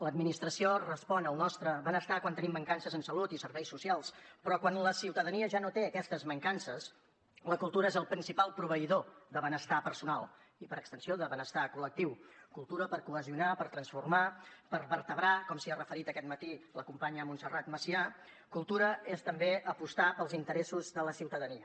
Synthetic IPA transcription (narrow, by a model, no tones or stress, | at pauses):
ləd̪minist̪ɾəsiorəspɔnəlˠnɔst̪ɾəβənəst̪akwant̪ənimbəŋkansəzənsəlut̪isəɾβɛjsːusialˠspɾɔkwanləsiwt̪əðəniəʒanot̪eəkɛst̪əzməŋkansəs | ləkulˠt̪uɾəezəlˠpɾinsipalˠpɾuβ̞əiðoðəβənəst̪apəɾsunalˠ | ipəɾəkst̪ənsioðəβənəst̪akulək̚t̪iwkulˠt̪uɾəpəɾkuəziunapəɾt̪ɾənsfurmapəɾβəɾt̪əβɾakɔmsiarəfəɾit̪əkɛt̪̚mət̪iləkumpaɲəmunsərat̪məsia | kulˠt̪uɾəest̪əmbeʔəpust̪apəlˠzint̪əɾesuzðələsiwt̪əðəniə